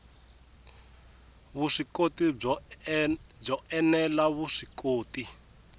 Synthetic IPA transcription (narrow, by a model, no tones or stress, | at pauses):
βuʂikoti | b͡ʐɔɛnɛlaβuʂikoːti